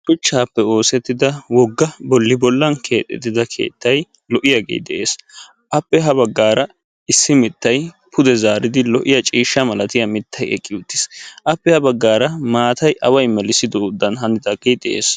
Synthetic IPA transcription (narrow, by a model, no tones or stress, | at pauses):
kʊt͡ʃːaːpːɛo̞ːsɛt̪ːɪd̪ɐwɔɡːɐbɔlːɪbɔlːɐnkʰe̞ːt̪ʼːɛ̰t̪ːɪd̪ɐkʰe̞̰ːt̪ːɐj | lɔʔɪjaɡḛːjd̪ɛʔe̞̰ːs | ʔɐpːɛɦɐbɐɡːaːɾɐ | ɪsːɪmɪt̪ːɐj | pʰʊd̪ɛzaːɾɪd̪ɪlɔʔɪjɐt͡ʃʼiːʃːɐmɐlɐt̪ɪjɐmɪt̪ːɐjɛ̰kʼːɪʊt̪ːɪ̥sʔɐpːɛhɐbɐɡːaːɾɐmaːt̪ɐjʔɐwɐjmɛlɪsɪd̪ɔʊd̪ːɐnɦɐnɪd̪ɐɡejd̪ɛʔḛːs